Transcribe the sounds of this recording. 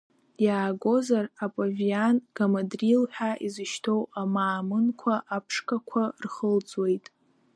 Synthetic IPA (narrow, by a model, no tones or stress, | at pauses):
jaːɡʷo̞zarapʼavianɡ̥amadrilħʷᶣaʔizɨʃtʰo̞wamaːmɨnkʷʰaʔapʰʂkʰʼakʷʰarχəld͡zwe̞jtʼ